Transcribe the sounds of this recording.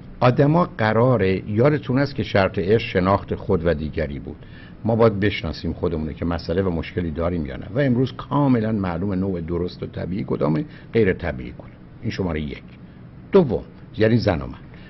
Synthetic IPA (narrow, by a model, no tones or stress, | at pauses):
ʔɒːd̪æmɒːɢæɾɒːɾejɒːd̪e̞t̪ʰunæst̪kcʰe̞ʃæɾt̪ʰe̞eɾsʃe̞nɒːxt̪ʰexod̪væd̪iːɟæɾḭːbṵːd̪̥ | mɒːbɒːjæd̪̚be̞ʃnɒ̰ːsiːmxo̞d̪emuːno̰cʰe̞mæsʔælevæmo̞ʃkʰe̞liːd̪ɒːɾiːmjɒ̰ːnʔæ̰væe̞mɾuːzkʰɒːme̞lænmæʔluːme̞noːʔed̪oɾost̪ot̪ʰæ̰biːʔiːkʰo̞d̪ɒ̰ːme | ɢe̞jɾet̪ʰæbḭʔḭːkʰod̪̥ɑ̥ | iːnʃo̞mɒːɾejjecʰ | d̪̥ovːo̰m | jæniːzæno̰mæn